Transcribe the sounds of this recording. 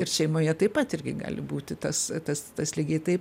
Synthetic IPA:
ɪrʃʲɛɪmoːjɛt̪ɐɪpɐt̪ɪrʲɡʲɪ̰ɡɑ̰ːlʲɪbuːt̪ʲɪt̪ɐst̪ɐst̪ɐslʲɪɡʲeɪt̪ɐɪp

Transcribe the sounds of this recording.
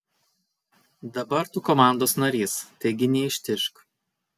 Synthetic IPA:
d̪ɐbɐɾt̪ukɔmɑˑnd̪oːsnɐɾʲiːst̪ɐɪɡʲɪnʲɛɪʃʲt̪ʲɪʃk

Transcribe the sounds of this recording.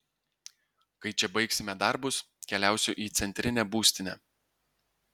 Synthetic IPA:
kɐɪt͡ʃʲɛbɐɪksʲɪmʲɛd̪ɑˑɾbʊs | kʲɛlʲæˑʊsʲʊʔiːt̪sʲɛnʲt̪ʲɾʲɪnʲɛbuːsʲt̪ʲɪnʲɛː

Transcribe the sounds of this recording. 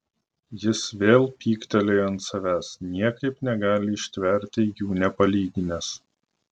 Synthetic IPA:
jɪsʋʲeːlˠpʲiːkt̪ʲɛlʲeːɐnt̪sɐʋʲæːsnʲiɛkɐɪpnʲɛɡɑːlʲɪːʃʲt̪ʲʋʲɛɾʲt̪ʲɪjuːnʲɛpɐlʲiːɡʲɪnʲɛs

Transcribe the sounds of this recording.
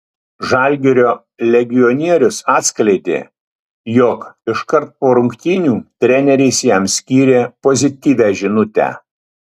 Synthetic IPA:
ʒɐˑlʲɡʲɪɾʲoː | lʲɛɡʲɪjɔnʲiɛɾʲʊsɑːt̪ʲsʲklʲɛɪt̪ʲḛː | jɔkɪʃkɐɾt̪̚poːɾʊŋʲkt̪ʲiːnʲuːt̪ʲɾʲɛnʲɛɾʲɛɪsjɛˑmsʲkʲiːɾʲeːpɔzʲɪt̪ʲiːʋʲæʒʲɪnʊt̪ʲæ̰ː

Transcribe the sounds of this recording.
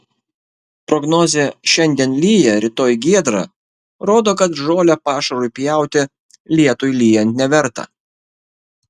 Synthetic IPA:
pɾɔɡnɔːzʲeːʃʲɛnʲd̪ʲiɛnlʲiːjɛɾʲɪt̪oːjɡʲiɛd̪ɾɑ̰ | ɾoːd̪oːkɐt̪ʒoːlʲɛpɑːʃɐɾʊjpʲjæˑʊt̪ʲɪ | lʲiɛt̪ʊjlʲiːjɛnʲt̪ʲnʲɛʋʲɛɾt̪ɑ̰ː

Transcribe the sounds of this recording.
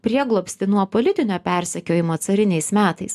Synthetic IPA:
pʲɾʲiɛɡlˠoːpʲsʲt̪ʲɪnuɔpɔlʲɪt̪ʲɪnʲoːpʲæˑɾʲsʲɛkʲoːjɪmoːt̪sɐɾʲɪnʲɛɪsmʲæːt̪ɐɪs

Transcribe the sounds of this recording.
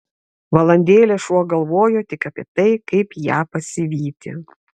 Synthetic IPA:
ʋɐlˠɐnʲd̪ʲeːlʲeːʃuɔɡɐlˠʋoːjoːt̪ʲɪkɐpʲiɛt̪ɐɪkɐɪpjæːpɐsʲɪʋʲiːt̪ʲɪ̰

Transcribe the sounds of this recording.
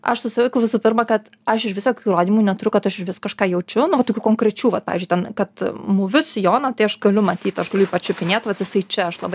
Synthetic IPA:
ɐ̰ʃsʊsʲɪʋɐɪkʊʋʲɪsʊːpʲɪrmɐkɐt̪ | ɐʃɪʃʋʲɪsoːkʲuːɾoːd̪ʲiːmuːnʲɛt̪ʊɾʲʊkɐt̪ɐʃɪʃʋʲɪskɐʃkɑːjɛʊt͡ʃʲʊnʊʋɐt̪oːkʲuːkoŋkɾʲɛt͡ʃʲuːʋɐt̚pɑ̰ːizd͡ʒʊɪtʲɛnkɐt̪mʊʋʲʊsjoːnɐt̪ɐɪɐʃɡɐlʲʊmɐt̪ʲiːt̪ɐʃɡɐlʊiːpɐt͡ʃʲʊpʲɪnʲeːt̪ʋɐt̪jɪsɐɪt͡ʃʲɛɐʃlˠɐbɐɪ

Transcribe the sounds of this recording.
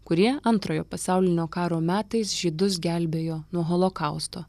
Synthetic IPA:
kʊɾʲiɛɐnt̪ɾoːjoːpɐsɑˑʊlʲɪnʲoːkɑːɾoːmʲæːt̪ɐɪsʒʲiːd̪ʊs̬ɡʲælʲbʲeːjoːnuɔɦɔlˠokɐˑʊst̪oː

